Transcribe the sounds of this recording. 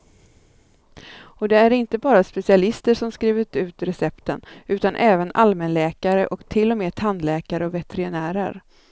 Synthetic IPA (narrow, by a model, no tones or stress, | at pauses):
ɔd̪ɛæɾɪnt̪əbɑːɾaspɛsɪalɪst̪əʂɔmskɾiːvət̪ʉ̟ːt̪ɾɛsɛpt̪ənʉ̟ːt̪anʔɛːvəna̰lmɛnlɛːkaɾə̰ʔɔkt̪ʰɪlːɔmeːt̪ʰanːlɛːkaɾəɔvɛt̪ʰɛɾɪnæːɾə̰ɾ